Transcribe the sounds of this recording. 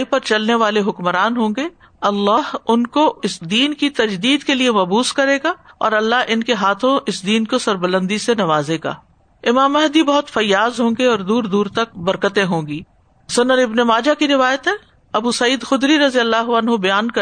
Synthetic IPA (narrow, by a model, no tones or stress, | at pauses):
ipɐɾt͡ʃɐlneʋaːleɦʊkməɾaːnɦõːŋɡeː | ɐlːaːɦʊnkoɪsd̪iːnkit̪ɐd͡ʒd̪iːd̪keliemɐbuːskɐɾeːɡaɔ̰ːɾɐlːaɦʔɪnkeɦaːt̪ʰõʔɪsd̪iːnkosɐɾbɐlə̃nd̪isenɐʋaːzeɡa̰ː | ɪmaːmɛɦd̪ibɐɦʊt̪fɐjːaːzɦõːŋɡeɔːɾd̪uːɾd̪uːɾt̪ɐk̚bɐɾkət̪ẽɦõːŋ̆ɡiː | sʊnənɪbnemaːd͡ʒakiɾɪʋaːjət̪ɦɛ | ɐbuːsɐiːd̪xʊd̪ɾiɾɐzijəlːaːɦuɐnɦobɐjaːnkɐ